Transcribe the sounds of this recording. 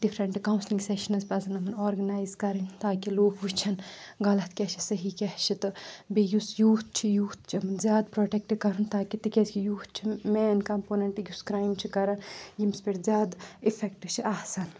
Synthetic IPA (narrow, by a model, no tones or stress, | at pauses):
ɖifʰɾɐɳʈkawnsliŋɡseʃɐnɐzpɐzɐnɐmɐnoːɾɡɐnaːjzkɐɾint̪aːkiloːkʰʋut͡ʃʰɐnɡɐlɐt̪kʲɛt͡ʃʰisɐɦikʲɛt͡ʃʰit̪ɨbijusjuːt̪̚t͡ʃʰijuːt̪t͡ʃʰimɨnzʲjaːd̪pɾoːʈek̚ʈikɐɾunt̪aːkit̪ikʲeskijuːt̪̚t͡ʃʰimeːnkɐmpoːneɳʈɨjuskɾaːjmt͡ʃʰikɐɾɐnjimspeʈzʲjaːd̪ifʰekʈɨt͡ʃʰiʔɐhsɐn